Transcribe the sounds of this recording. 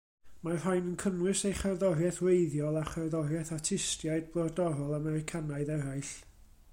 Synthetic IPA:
mar̥ɦajnənkʰənwɨsejχarðɔrjɛθwejðjɔlˠaχarðɔrjɛθatʰɪstjaɨd̚blˠɔdɔɾɔlˠamɛɾɪkʰanaɨðɛɾaɨɬ

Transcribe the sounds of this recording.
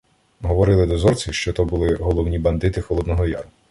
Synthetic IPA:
ɦɔʋɔɾɪlˠɪd̪ɔzɔrt͡sʲiʃt͡ʃɔt̪ɔbulˠɪɦɔlˠɔwnʲibɐnd̪ɪt̪ɪxɔlˠɔd̪nɔɦɔjɑ̰rʊ

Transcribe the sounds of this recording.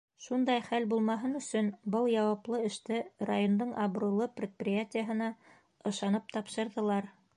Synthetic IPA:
ʃund̪ɑjχælbulˠmɑɦɤnɵ̆sɵnbɤlˠjɑwɑplˠɤɘ̆ʃt̪ɘra̰jo̞nd̪ɤɴʔɑβɾulˠɤprʲɪt̪̚prʲɪjatʲɪjəɦɤ̆nɑ | ɤ̆ʃɑnɤp̚t̪ɑpʃɤ̆ɾðɤ̆lˠɑɾ

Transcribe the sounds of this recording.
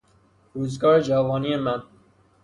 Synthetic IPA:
ɾuːzɡɒːɾed͡ʒævɒːniemæn

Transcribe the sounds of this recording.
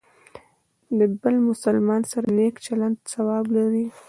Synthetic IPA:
d̪əbəlmʊsalmɑnsaɾanekt͡ʃaland̪sawɑblaɾi

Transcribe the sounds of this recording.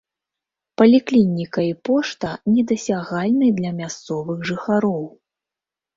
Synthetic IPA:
pɐlʲiklʲinʲikɐipɔʂt̪ɐnʲɛd̪ɐsʲaɣalʲnɨjd̪lʲɐmʲast̪sɔvɨɣʐɨxaɾɔw

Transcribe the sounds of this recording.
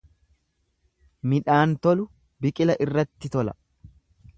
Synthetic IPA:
mɪᶑaːnt̪ɔlʊ | bɪkʼɪlɐʔɪrːɐt̪ːɪt̪ɔlɐ

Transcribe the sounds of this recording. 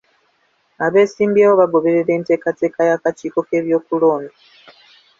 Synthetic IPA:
aβe̞ːsiːmbiewoβaɡo̞βe̞ɾeɾe̞ːnte̞ːkate̞ːkajakat͡ʃiːko̞ke̞ːβjo̞ːkulo̞ːnda

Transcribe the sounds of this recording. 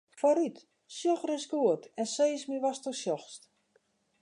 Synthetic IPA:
fɔɾyt | sjɔxrɪsɡuətɛnseːsmiʋastosjɔxst

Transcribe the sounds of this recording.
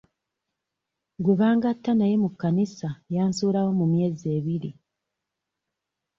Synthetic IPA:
ɡweβaːŋɡatːanaje̞mukːanisajaːnsuːɾawo̞mumje̞ːze̞ːβiɾi

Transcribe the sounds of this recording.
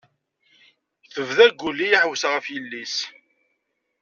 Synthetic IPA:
θəvðæɡʷːulːijiħwəsʁəfjəlːis

